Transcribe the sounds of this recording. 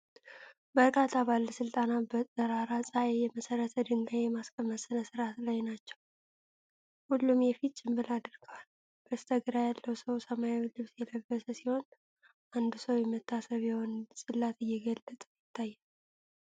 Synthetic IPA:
bəɾkʼat̪ʰːabalːəsɨlt̪ʼanabət̪ʼəɾaɾasʼaɛjɛməsəɾət̪ʰəd̪ɨŋɡajɛmaskʼəməsɨnəsɨɾat̪lajnat͡ʃːɛw | hulːumjɛfitt͡ʃʼːɪmbɨlad̪ɨɾɡ̥əwal | bəst̪ʰəɡɨɾajalːəwsəwsəmajawilɨβsjɛləbːəsəsiho̞n | ʔand̪usəwjɛmːət̪ʰːasəβjɛho̞nsʼɨlːat̪ɨjːɛɡəlːət̪ʼəjɪt̪ʰːajːɛn

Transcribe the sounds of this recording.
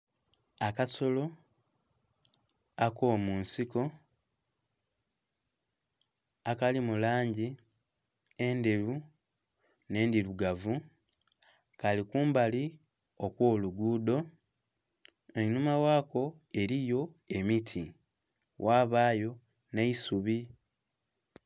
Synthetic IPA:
akaso̞lo̞ | ako̞munsiko̞ | akalimulaːɲɟi | e̞nde̞ɾu | ne̞ːndiɾuɡavu | kalikuːmbalio̞kwo̞ːluɡuːdo̞ | eɲumawaːkʰo̞e̞ɾijo̞e̞mitʰi | wʔaːβaːjo̞ne̞isuβi

